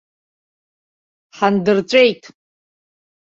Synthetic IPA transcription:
ħandɨrt͡sʷʼejtʼ

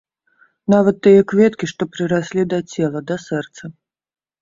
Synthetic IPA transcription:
navɐt̪ːɨjɛkvʲɛt̪kʲiʂt̪ɔpɾɨɾasʲlʲid̪ɐt͡sʲɛlˠɐd̪ɐsɛrt̪sɐ

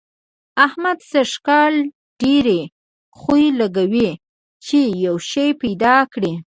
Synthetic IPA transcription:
ahmad̪səʃkɑl | ɖ̥eɾe | xujlaɡawi | t͡ʃejawʃajpajd̪ɑkɽi

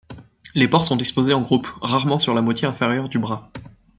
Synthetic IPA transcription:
lepɔʁsɔ̃t̪ikspozeɑ̃ɡʁupʁaʁmɑ̃syʁlamwat̪jeɛ̃feʁjœʁd̪ybʁa

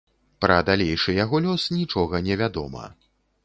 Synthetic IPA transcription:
pɾɐd̪alʲejʂɨjaɣɔlʲɔsnʲit͡ʂɔɣɐnʲɛvʲad̪ɔ̰mɐ̰

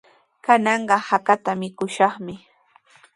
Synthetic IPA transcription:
kanɑɴɢɑhakat̪amɪkʊʃɑχmɪ

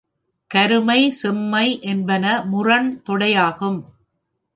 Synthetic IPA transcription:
kɐɾɯmɐɪsɛmːɐɪʔɛnbɐnɐmʊrɐɳt̪ɔɽɐjaːɣɯm

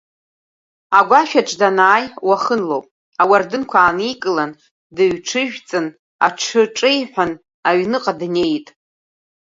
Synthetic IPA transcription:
aɡʷaʃᶣaʈ͡ʂʰʼdanaːjwaχənlo̰wpʼ | awardɨnkʷʰaːnikʼɨlan | dɨɥʈ͡ʂʰɨʒᶣt͡sʼɨn | a̰ʈ͡ʂʰɨʈ͡ʂʼejħʷᶣan | aɥnɨqʼadne̞jtʼ

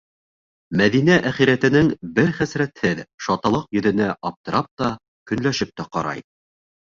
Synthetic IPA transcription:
mæðinæʔæχiɾæt̪ɘ̆nɘŋbɘɾχæsɾæt̪hɘðʃɑt̪ɑlˠɤqjɵ̆ðɘ̆næʔɑp̚t̪ɤ̆ɾɑp̚t̪ɑ | kɵ̆nlæʃɘp̚t̪æqɑɾɑ̰j

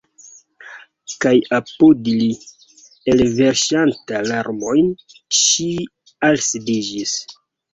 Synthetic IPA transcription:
kajapodili | elve̞ɾʃantalaɾmo̞jnʃi | alsidid͡ʒis

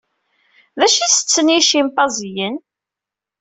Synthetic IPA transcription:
ðæʃisə̥t͡sːəniʃimp̪ɑzjən

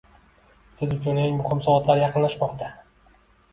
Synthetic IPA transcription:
sɪzʊt͡ʃʰʊneŋmʊhɪmsɒvɒt̪laɾjɑqʰɨnlaʃmɒqt̪ʰa

